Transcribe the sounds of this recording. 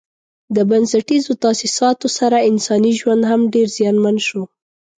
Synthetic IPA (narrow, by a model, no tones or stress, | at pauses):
d̪əbansaʈizot̪ɑsisɑt̪osaɾaɪnsɑniʒwand̪ɦamɖeɾzjɑnmanʃo